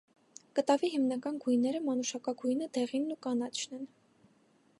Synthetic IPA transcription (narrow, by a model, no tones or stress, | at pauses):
kət̪ɑviɦimnɑkɑnɡujnɛɾəmɑnuʃɑkɑɡujnəd̪ɛʁinːukɑnɑt͡ʃʰnɛn